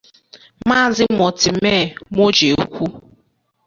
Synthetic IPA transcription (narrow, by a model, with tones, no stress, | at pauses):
ma˦˨zɪ˦mɔ˨tɪ˨m̩˦meː˦˨mo˦d͡ʒe˨o˨˦kʷu˦